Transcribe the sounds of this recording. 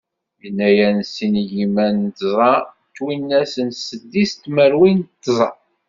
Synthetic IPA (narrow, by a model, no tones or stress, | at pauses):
jənːæjænsinjimænt̪zˤɑ | t̪ːwinːæsənsəd̪ːist̪məɾwint̪ːzˤɑ